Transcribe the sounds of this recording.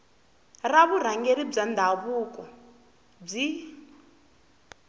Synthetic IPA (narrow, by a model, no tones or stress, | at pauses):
raβuɾ̤aŋɡeɾib͡ʐand̪ʱaβukɔ | b͡ʐi